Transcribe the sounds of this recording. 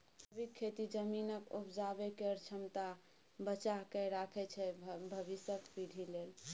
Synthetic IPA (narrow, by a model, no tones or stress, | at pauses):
əbikʰːet̪id͡ʒəminəkupd͡ʒabekeəɾt͡ʃʰəmt̪a | bət͡ʃaɦkɛɾakʰɛt͡ʃʰɛbʱəbisəkpiɽʱilel